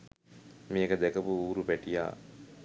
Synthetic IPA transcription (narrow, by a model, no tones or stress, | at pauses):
mijekəd̪ɛkəpuuːɾupæʈija̰ː